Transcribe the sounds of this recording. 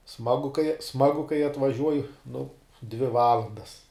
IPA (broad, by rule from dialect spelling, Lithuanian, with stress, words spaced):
ˈsmɑːɡʊ kɐɪ ˈsmɑːɡʊ kɐɪ ɐtʋɐˈʒʲuɔjɛ nʊ dʲʋʲɪ ˈʋɑːlˠɐndɐs